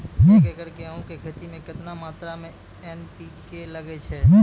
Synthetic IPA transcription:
mɛ̃kekəɾkeaɦũkekʰeːt̪imẽkɪt̪namaːt̪ɾamẽ | ɛːnpikelɐɡet͡ʃʰɛːmɛ̃

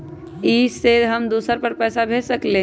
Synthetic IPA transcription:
ised̪ɦəmd̪uːsəɾpəɾpɛːsabʱesəkle

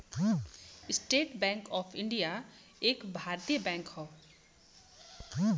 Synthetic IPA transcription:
sʈeːʈbɛ̃ŋkɔːpʰiɳɖija | eːkbʱaːɾt̪ijəbɛ̃ŋkhɔ

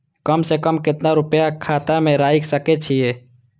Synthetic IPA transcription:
kəmsekəmkɪt̪naɾʊpjakʰaːt̪amẽɾaːɪksəket͡ʃʰie

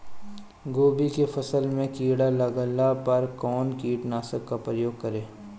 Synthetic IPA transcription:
ɡoːbikefɐsəlmẽkiːɽalɐɡəlapɐɾkɔːnkiːʈnaːsəkːapɾəjoːɡ̚kɐɾẽː

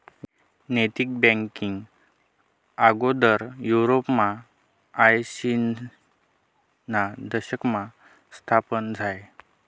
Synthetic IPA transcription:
net̪ik̚bɛ̃ŋkiŋɡ | aɡod̪əɾjuɾopmaː | jsin | nad̪əɕəkma | st̪ʰapənd͡zʱaj

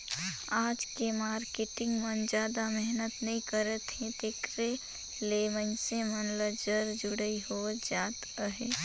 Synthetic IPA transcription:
aːd͡ʒkemaːɾkeʈɪ̃ŋɡmə̃nd͡ʒaːd̪amɛɦnət̪nɐɦĩkəɾət̪ɦẽt̪eːkɾe | lemənsẽmənləd͡ʒəɾd͡ʒʊɽəiɦoəd͡ʒaːt̪əɦeː

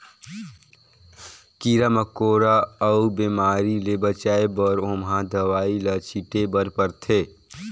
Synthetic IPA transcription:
kiɾaməkoːɾaəubemaːɾilebət͡ʃaːebɔːɾoːmɦãd̪əʋaːilat͡ʃiʈebəɾpəɾt̪ʰeː

